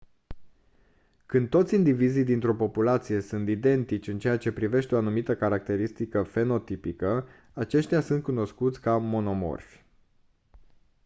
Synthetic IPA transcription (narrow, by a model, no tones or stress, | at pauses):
kɨnd̪̚t̪o̞t̪sʲind̪ivizijd̪int̪ɾo̞po̞pulat̪sije̞sunt̪id̪e̞nt̪it͡ʃʲɨnt͡ʃe̞jat͡ʃe̞pɾive̞ʃt̪eo̞anumit̪əkaɾak̚t̪e̞ɾist̪ikəfe̞no̞t̪ipikə | at͡ʃe̞ʃt̪ʲjasunt̪̚kuno̞skut̪sʲkamo̞no̞mo̞̰rfʲ